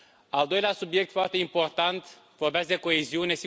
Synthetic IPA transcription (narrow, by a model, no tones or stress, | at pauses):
ald̪o̞jleasubje̞k̚t̪foart̪e̞impo̞rt̪ant̪ | vorbeas̚d̪eko̞eziune̞s